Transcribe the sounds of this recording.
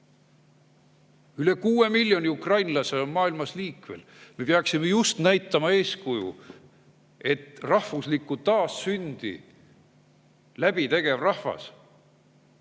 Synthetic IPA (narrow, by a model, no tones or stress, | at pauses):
yle̞kuːe̞milʲːjo̞nʲiukrɑjnlɑse̞onmɑːilmɑsliːkme̞̰l | me̞peɑksime̞just̪næjt̪ˑːɑmɑe̞ːskujṵ | e̞t̪rɑhvuslikːˑut̪ɑːsːynd̪̥ḭ | læb̥it̪e̞ɡ̥e̞vrɑhvɑ̰s